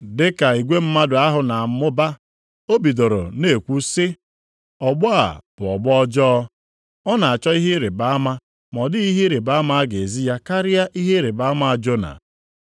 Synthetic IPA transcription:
dɪ˦ka˨i˨ɡʷe˦m̩˦ma˦dʊ˨a˦ɦʊ˨na˨m̩˨mʊ˦ba˦ | o˦bi˨do˨ɾo̰˨ne˨kʷu˦sɪ˦ | ɔ˨ɡ͡bɔ˦a̰˨b̥ʊ˨ɔ˨ɡ͡bɔ˦d͡ʒɔ˦ | ɔ˦na˨a˨t͡ʃɔ˦i˦ɦɪ˦ɾe˨ba˨a˦ma˦ | mɔ˨dɪ˦i˦ɦi˦ɾe˨ba˦a˦ma˦a˦ɡe˨e˨zi˦ja˦ka˦ɾɪ˦ja˦ʔi˦ɦe˦ɾe˨ba˦ma˦a˨d͡ʒo˦na̰˨

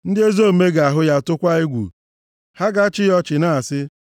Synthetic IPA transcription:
n̩˦dɪ˦e˦zo˦˨me˦ɡa˨a˨ɦʊ˦ja˦˨tʊ˦kʷa˦i˦ɡʷṵ˨ | ha˦ɡa˦t͡ʃɪ˦jɔ˦t͡ʃɪ˨na˦a˨sɪ˦

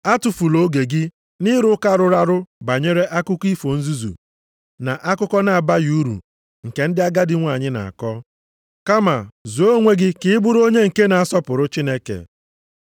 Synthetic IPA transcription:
a˦tʊ˨fu˨lo˦ɡe˨ɡɪ˦ | nɪ˦ɾʊ˦ka˦ɾʊ˦ɾa˦ɾʊ˦ba˨ɲe˦ɾe˦ʔa˦kʊ˦ki˦fo˨n̩˦zu˦zṵ˨ | na˨ʔa˦kʊ˦kɔ˦na˨a˨ba˦ju˨˦ɾṵ˨ | ŋ̩˨ke˨n̩˦dɪ˦a˦ɡa˦dɪ˦ŋʷa˨ɲɪ˦na̰˨a̰˨kɔ˦ | ka˦ma̰˨zu˨o˦ŋʷe˦ɡɪ˦kɪ˦ɪ˦bʊ˦ɾo˦ɲe˦ŋ̩˨ke˦na˨a˨sɔ˦pʊ˨ɾʊ˦t͡ʃi˦ne˦kḛ˨

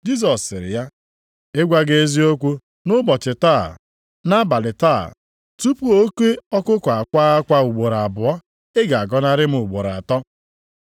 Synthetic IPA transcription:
d͡ʒi˦s̬ɔ˨sɪ˨ɾɪ̰˨ja˦ | ɪ˦ɡʷa˦ɡe˦e˦zi˦o˦kʷu˦ | nʊ˦bɔ˨t͡ʃɪ˨ta˦˨ | na˦ba˨lɪ˨taː˦˨ | tu˦pu˦o˦kʷe˦ɔ˦kʊ˦kɔ˨a˨kʷa˦a˦kʷa˦u˨ɡ͡bo˨ɾa˨bʊ˨ɔ˦ | ɪ˦ɡa˨a˨ɡɔ˦na˦ɾɪ˦m̩˦ʊ˨ɡ͡bo˨ɾa˨tɔ˦

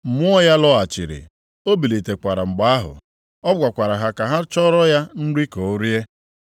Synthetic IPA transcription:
m̩˨mʊ˦ɔ˦ja˦lɔ˦a˨t͡ʃḭ˨ɾḭ˨ | o˦bi˨li˨te˨kʷa˨ɾa˨ŋ͡m̩˨ɡ͡ba˦a˦ɦʊ̰˨ | ɔ˦ɡ͡bʷa˨kʷa˨ɾa˨ɦa˨ka˨ɦa˦t͡ʃɔ˦ɾɔ˦ja˦n̩˦ɾi˦ko˨˦ɾje˦

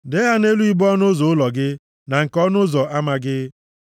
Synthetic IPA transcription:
de˦ɦa˦ne˦lu˦i˦bɔ˦nʊ˦zɔ˨ʊ˦lɔ˨ɡɪ˦ | na˨ŋ̩˨kɔ˦nʊ˦zɔ˨ʔa˦ma˨ɡɪ˦

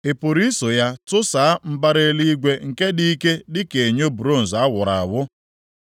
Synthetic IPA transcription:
e˨pʊ˨ɾi˦so˨ja˦tʊ˦sa˨˦m̩˦ba˦ɾe˦li˦ɡʷe˦ŋ̩˨ke˦di˦ke˦dɪ˦ke˨ɲo˦bu˨ɾo˦˨n̩˨za˦wʊ˨ɾa˨a˨wʊ˦

